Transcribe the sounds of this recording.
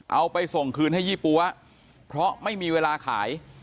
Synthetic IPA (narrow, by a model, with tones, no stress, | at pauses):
ʔa˧wpa˧jso˨˩ŋkʰɯː˧nha˥˩jiː˥˩pu˧ɐ | pʰɾɔ˦˥ma˥˩jmiː˧weː˧laː˧kʰa̰ː˩˦j